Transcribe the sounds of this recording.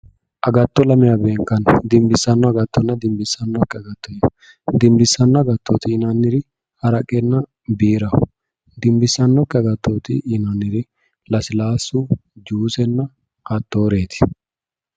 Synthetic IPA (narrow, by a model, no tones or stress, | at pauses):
ʔɐɡɐt̪ːɔlɐmɪjɐbe̞ːŋkːɐnd̪ɪmbɪsːɐnːɔɐɡɐt̪ːɔnːɐd̪ɪmbɪsːɐnːɔkʼːɛɐɡɐt̪ːɔje | d̪ɪmbɪsːɐnːɐɡɐt̪ːoːt̪ɪːnɐnːɪɾɪ | hɐɾɐkʼːɛnːɐ | biːɾɐ | d̪ɪmbɪsːɐnːɔkʼːɛɐɡɐt̪ːoːt̪ɪʔɪnɐnːɪɾɪ | lɐsɪlaːsud͡ʒuːsɛnːɐ | hɐt̪ːo̞ːɾe̞ːt̪ɪ̥